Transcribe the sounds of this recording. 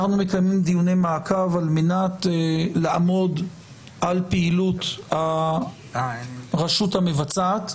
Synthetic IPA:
χnume̞kajmimd̪ijune̞jmaːkavalmenatlaʔa̰mo̞d | ʔalpeilutha | ʁaʃuthame̞vat͡sat̪

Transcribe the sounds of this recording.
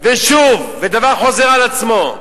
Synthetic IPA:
veʃuvːed̪avaʁχo̞zeʁalat͡smo̞

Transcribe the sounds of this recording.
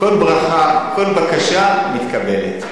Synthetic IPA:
ko̞lbʁaχako̞lbakaʃamit̪kabe̞lḛt̪

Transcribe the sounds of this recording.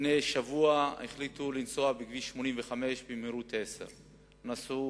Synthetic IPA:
nejʃavuaeχlit̪ulint͡soabiɡviʃmo̞nimveχame̞ʃbimiɾut̪ʰesḛʁ | nasu

